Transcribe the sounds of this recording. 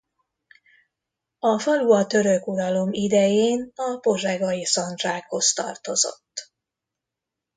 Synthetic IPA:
ɒfɒluɒt̪ø̞ɾøkud̪ɒlo̞mid̪ɛjeːnɒpo̞ʒɛɡɒjisɒnd̪raːkho̞st̪ɒ̰rt̪o̞zo̞̰t̪ː

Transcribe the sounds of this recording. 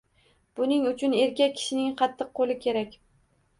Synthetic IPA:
b̥ʊnɪŋʊt͡ʃʰʊne̞ɾkʲak̚ʲkʲʰɪ̥ʃɪnɪŋqʰɑt̪ʰːɨq̚qːolɪkʲʰe̞ɾakʲ

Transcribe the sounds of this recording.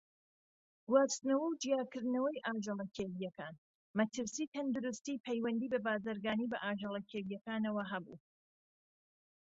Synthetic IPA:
ɡuwaːst̪nɐwɐwd͡ʒijaːkɨɾd̪nɐwɐjʔaːʒɐlˠɐkʰeɾijɐkaːn | mɐt̪ʰɨɾsiːt̪ʰɐnd̪ʊɾust̪iːpʰɛjwɐnd̪iːbɐbaːzɨɾɡaːniːbɐʔaːʒɐlˠɐkʰeːɾijɐkaːnɐwɐɦɐbṵ

